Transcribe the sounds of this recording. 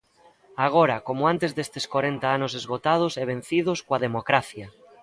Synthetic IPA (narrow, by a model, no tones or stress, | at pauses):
aɣ̞oɾakomoãnt̪ezðest̪eskwaɾent̪aanosezɣ̞ot̪að̞oseβ̞en̟θið̞oskwaðemokɾaθja